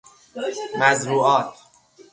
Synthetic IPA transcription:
mæzɾuːʔɒːt̪ʰ

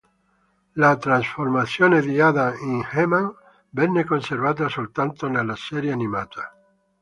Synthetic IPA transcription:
lat̪ɾansfoɾmaθjoneðiaðaeŋhemãŋ | benekonseɾβat̪̬asolt̪ant̪onelaseɾjeanĩmat̪a

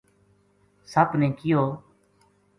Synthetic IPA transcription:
səbnẽːkɪjoː

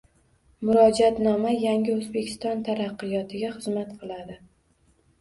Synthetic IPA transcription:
mʊɾɒd͡ʒat̪nɒmajaŋʲɪɵzbekʲʰɪ̥st̪ɒnt̪ʰaɾaqːɨjɒt̪ʰɪɡʲaχɨzmat̪qʰɨlˠad̪ɪ

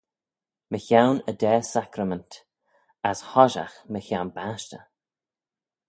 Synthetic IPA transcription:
məçawnəd̪ɛːsakɾəmənt | ashɔʒa̰xməçawnbaʃtə̰

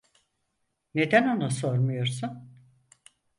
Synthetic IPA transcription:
ne̞d̪æno̞nusoɾmujo̞ɾsun

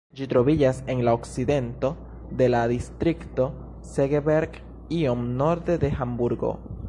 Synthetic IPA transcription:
d͡ʒit̪ɾo̞βiʝase̞ŋlaokside̞nt̪o̞ | d̪e̞laðist̪ɾikt̪o̞ | seɡebeɾɡ | iomno̞ɾd̪e̞d̪e̞xambuɾɡo̞̰

